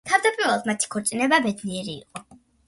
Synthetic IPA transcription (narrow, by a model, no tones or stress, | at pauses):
t̪ʰavd̪apʼiɾvɛlˠad̪mat̪ʰi̥kʰɔɾt̪sʼinɛbabɛd̪niɛɾḭːqʼɔ